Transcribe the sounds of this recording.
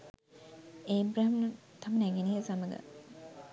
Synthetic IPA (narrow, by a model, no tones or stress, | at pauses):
eːbɾaɦmnət̪amənæɡenijəsaməɡə̰